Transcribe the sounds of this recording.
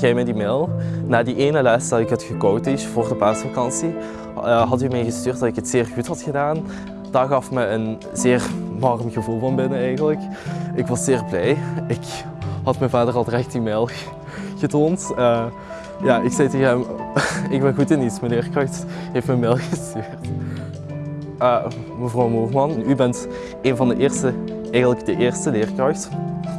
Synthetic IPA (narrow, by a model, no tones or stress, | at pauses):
ɣɛjmɛdimeːlˠnaːdiʔeːnəlɛːstɑtɪkɦətxəkowtɪʃvoːrdəpaːsfakɑnsi | ɦɑtymɛjɣəstyːrt̚dɑtɪkɦətsɪːrɣutɦɑtxədaːn | d̥aːɣɑfməən | zɪːrnɑrmɣəvulˠvɑnbɪnəɛjɣənlək | ɪkʋɑsz̥ɪːrblɛjɪk | ɦɑtmɛnvaːdərɑlˠrɛxtimeːlˠ | ɣ̥ətoːntə | jaːɪksɛjteɣəɦɛmɪɡ̚bɛnɣutɪnitsməlɪːrkrɑxt | ɦeftmənmeːlˠɣəstyːrt | ə | məvrɔwmoːrmɑnybɛnt | eːnvɑndəʔɪːrstə | ɛjɣənləɡdəʔɪːrstəlɪːrkrɑxt